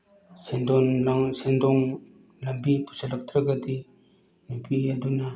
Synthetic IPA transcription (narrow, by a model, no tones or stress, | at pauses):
send̪ɔnlaŋsendɔŋ | lɐmbipu̥salɐk̚t̪ʰɾɐɡɐd̪i | mupʰiaduna